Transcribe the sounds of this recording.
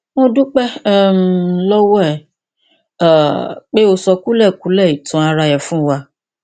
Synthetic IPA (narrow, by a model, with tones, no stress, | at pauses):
mõ˦dũ˦k͡pɛ˦m˨lɔ˦wɔ˦ɛ˦˨ | k͡pe˦o˧sɔ˧ku˦lɛ˦˨ku˨˦lɛ˦˨i˨tɔ̃˨˦a˧ɾa˧jɛ˨fũ˦wa˧